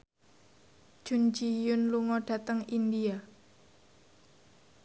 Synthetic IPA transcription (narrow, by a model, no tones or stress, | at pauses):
ʒ̥und͡ʒijʊnluŋɔɖ̥a̤t̪əŋind̪ia